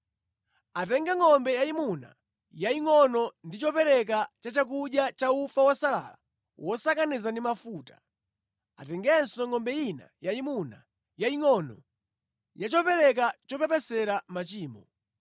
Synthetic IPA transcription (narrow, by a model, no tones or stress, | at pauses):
atɛŋɡaŋɔmbɛjaimuna̰ | jaiŋɔnɔndit͡ʃɔpɛɾɛk̬at͡ʃat͡ʃak̬uɗjat͡ʃaufawɔsala̰la̰ | wʔɔsakanizandimafuːtḁ | atɛŋɡɛnsɔŋɔmbɛina̰jaimuna | jaiŋɔnɔ | jat͡ʃɔpɛɾɛk̬at͡ʃɔpɛpɛsɛɾamat͡ʃiːmɔ